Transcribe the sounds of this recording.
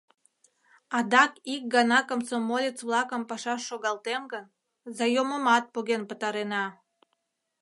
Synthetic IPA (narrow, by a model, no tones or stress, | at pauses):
ɑd̪ɑkik̚ɡɑnɑkəmsomolʲet͡sβlɑkəmpɑʃɑʃːoɣɑlt̪emɡən | zɑjoməmɑt̪̚puɣenpət̪ɑɾenɑ